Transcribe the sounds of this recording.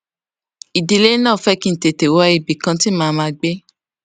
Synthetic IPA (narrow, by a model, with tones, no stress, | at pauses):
i˨di˨le˦nãː˦˨fɛ˦kĩ˦n̩˨te˨te˨wɔ˦i˧bi˨kã˧ti˦mãː˨˧mãː˧ɡ͡be˦